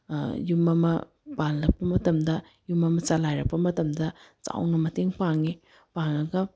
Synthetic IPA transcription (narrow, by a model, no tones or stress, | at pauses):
jumɐmɐ̰ | panlɐk̚pːɐmɐtɐmdɐ | jumɐmɐt͡ʃalajɾɐk̚pːɐmɐtɐmdɐt͡ʃa̰wnɐmɐteŋpaŋi | paŋɐɡɐ